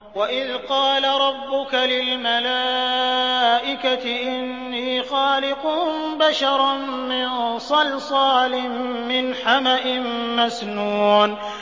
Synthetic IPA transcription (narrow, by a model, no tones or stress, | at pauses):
waʔɪðqɑːlaɾˤɑbːʊkalɪlmalaː | ʔɪkat̪ɪʔɪnːiːxɑːlɪqʊmbaʃɑɾˤmɪnsˤɑlsˤɑːlɪmːɪnħamaʔɪmːasnuːn